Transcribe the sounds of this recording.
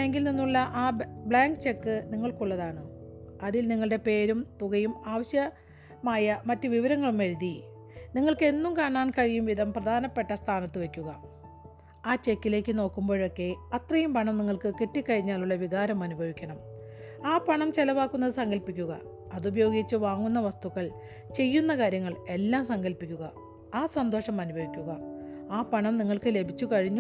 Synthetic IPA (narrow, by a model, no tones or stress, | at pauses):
eŋɡilninːuɭːɐʔaːbɭaːŋɡɨt͡ɕe̞kːɨniŋːɐɭkuɭːɐðaːɳɨɐðilniŋːɐɭɨɽe̞pe̞ːɾumt̪uɣɐjumaːʋɐɕjɐ | maːjɐmɐtːɨʋiʋɐɾɐŋːɐɭumʋɐɾuði | niŋːɐɭke̞nːumkaːɳaːnkɐɻijumʋid̪ʱɐmprɐd̪ʱaːnɐpːe̞ʈːɐst̪ʰaːnɐt̪ːɨʋe̞kʲːuɣɐ | aːt͡ɕe̞kːile̞ːkːɨno̞ːkːumbo̞ːɻokːe̞ɐt̪rɐjumpɐɳɐmniŋːɐɭkɨkeʈːikːɐɻiɲːaːluɭːɐʋiɣaːɾɐmɐnubʱɐʋikʲːɐɳɐm | aːpɐɳɐmt͡ɕelɐʋaːkːunːɐðɨsɐŋɡɐlpikʲːuɣɐ̰ | ɐðubʱɐjo̞ːɡit͡ɕːɨʋaːŋːunːɐʋɐst̪uɣɐɭ | t͡ɕe̞jːunːɐkaːɾjɐŋːɐɭe̞lːaːmsɐŋɡɐlpikʲːuɣɐ | aːsɐnd̪o̞ːʂɐmɐnubʱɐʋikʲːuɣɐaːpɐɳɐmniŋːɐɭkɨle̞bʱit͡ɕːukɐɻiɲːu